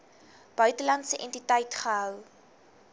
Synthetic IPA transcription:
b̥œɥtəlɐntsəʔɛntitəjtχəɦœw

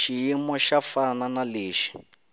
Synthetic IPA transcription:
ʃijimɔʃafananaleːʃi̥

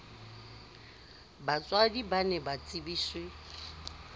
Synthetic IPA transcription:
bat͡sʼwadibanɛbat͡sʼibiːswɪ

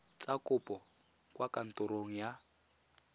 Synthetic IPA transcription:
t͡sakʊpʼɔ | kwakan̩tʊɾoŋ̩ja

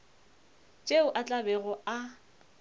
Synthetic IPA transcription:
t͡ʃʼeʊʔat͡ɬʼabɛɣɔa

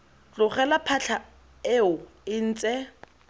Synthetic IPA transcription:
t͡ɬʊχɛlapʰaɬʰa | eʊ | ɪn̩ːt͡sʼɛ

